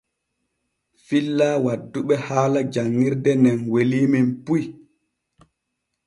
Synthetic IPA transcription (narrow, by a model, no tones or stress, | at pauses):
filːaːwadːuɓɛhaːlad͡ʒaŋːiɾdɛnɛnweliːminpuj